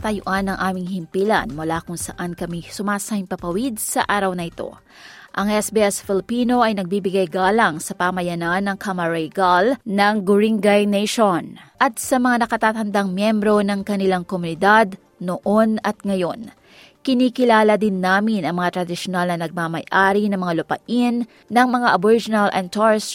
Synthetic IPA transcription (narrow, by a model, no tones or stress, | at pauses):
t̪ɐjoʔanɐŋʔaːmɪŋhɪmpilɐ̰nmʊlakʊŋsɐʔankɐmisʊmaːsahɪŋpɐpɐwid̪̚sɐʔaːɾɐwnɐʔɪt̪o̞̰ | ʔɐŋʔɛsbɛɛsfɪlɪpiːno̞ʔɐjnɐɡ̚biːbɪɡajɡaːlɐŋsɐpamɐjɐnanːɐŋkamɐɹɛjɡalnɐŋɡʊɾiŋɡajnɛjʃonʔɐt̪̚sɐmɐŋanɐkɐt̪aːt̪ɐnd̪aŋmjɛmbɾo̞nɐŋkɐnɪlaŋkomʊnɪd̪ad̪ | noʔo̞nɐt̪̚ŋɐjo̞n | kɪniːkɪlaːlɐd̪ɪnːaːmɪnɐŋmɐŋat̪ɾɐd̪ɪʃonalnɐnɐɡ̚mamɐjʔaːɾinɐŋmɐŋalʊpɐ̰ʔɪnː | ɐŋmɐŋaʔɐboɾɪd͡ʒɪnɐlɛnt̪aɹs